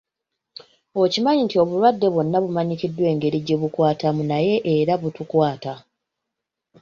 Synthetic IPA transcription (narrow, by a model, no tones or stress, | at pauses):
ocimaɲintio̞βuɾwadːe̞βwo̞nːaβumaɲicidːwe̞ːŋɡe̞ɾiɟe̞βukwaːtamunaje̞ʔeɾaβutukwaːta